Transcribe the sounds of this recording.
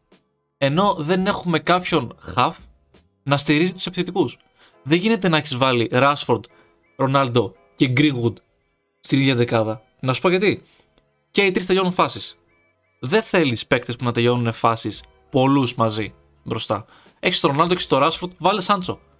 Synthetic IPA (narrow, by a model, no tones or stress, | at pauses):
e̞no̞ðe̞ne̞xume̞kɐpço̞nxɐf | nɐst̪iɾizit̪u̥se̞piθet̪ikus | ðeʝine̞t̪e̞nɐeçizvɐliɾɐsfoɾd̪ | ɾo̞nɐld̪o̞ | ceɡɾiɣud̪ | st̪iniðʝɐd̪ekɐðɐ | nɐsu̥spoʝɐt̪i | ceit̪ɾist̪e̞ʎo̞nunfɐsis | ðe̞θe̞lispe̞kt̪espunɐt̪eʎo̞nune̞fɐsis | po̞luzmɐzi | bɾo̞st̪ɐ | e̞çist̪o̞ɾo̞nɐld̪okce̥st̪o̞ɾɐsfoɾd̪vɐlisɐnt͡so̞